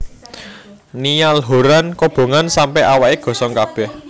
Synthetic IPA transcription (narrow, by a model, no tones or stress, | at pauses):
nijalɦoɾankob̥o̤ŋansampɛawaʔeɡ̥ɔ̤sɔŋkab̥ɛ̤h